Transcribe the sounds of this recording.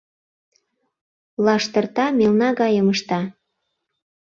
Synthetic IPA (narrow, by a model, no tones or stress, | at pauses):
lɑʃt̪ərt̪ɑmelnɑɣɑjəməʃt̪ɑ